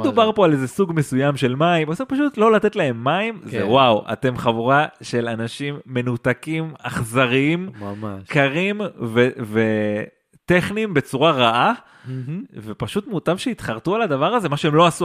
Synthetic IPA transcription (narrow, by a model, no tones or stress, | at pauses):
d̪ubaʁpo̞ale̞zesuɡme̞sujamʃe̞lmaimosipaʃut̪lo̞lat̪e̞t̪lae̞mːaimzewawa̰t̪e̞mχavuʁaʃe̞lanaʃimːe̞nut̪akimaχzaʁiimkaʁimveve | t̪eχnimbe̞t͡suʁaʁaʔa | ve̞paʃut̪mut̪avʃeit̪χaʁt̪ualad̪avaʁaze̞maʃue̞mlo̞asu